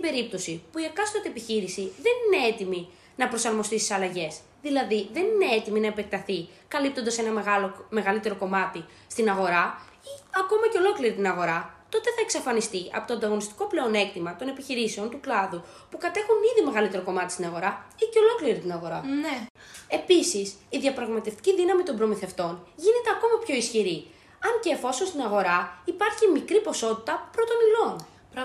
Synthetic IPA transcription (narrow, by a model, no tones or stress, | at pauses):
t̪ibe̞ɾip̚t̪o̞sipuiekɐsoɐt̪iepiçiɾisiðe̞nine̞et̪imi | nɐpɾo̞sɐɾmo̞st̪ist̪i̥sɐlɐʝe̞s | ðilɐðiðe̞nine̞et̪iminɐepe̞k̚t̪ɐθi | kɐlip̚t̪o̞nd̪ɐse̞nɐmeɣɐlome̞ɣɐlit̪e̞ɾo̞ko̞mɐt̪i | st̪inɐɣo̞ɾɐ | iɐko̞mɐce̞o̞lo̞kliɾit̪inɐɣo̞ɾɐt̪o̞t̪e̞θɐeksɐfɐnist̪iɐ̰pot̪oɐnd̪ɐɣo̞nist̪i̥ko̞ple̞o̞ne̞k̚t̪imɐt̪o̞ne̞piçiɾise̞o̞nt̪uklɐðu | pukɐt̪e̞xuniðime̞ɣɐlit̪e̞ɾo̞ko̞mɐt̪ist̪inɐɣo̞ɾɐiceo̞lo̞kliɾit̪inɐɣo̞ɾɐn | e̞pisisiðiɐpɾɐɣmɐt̪e̞ft̪i̥ciðinɐmit̪o̞mbɾo̞miθe̞ft̪o̞nʝine̞t̪e̞ɐko̞mɐpço̞isçiɾi | ɐɲceːfo̞so̞nst̪inɐɣo̞ɾɐipɐɾçimikɾipo̞so̞t̪i̥t̪ɐpɾo̞t̪o̞nilo̞n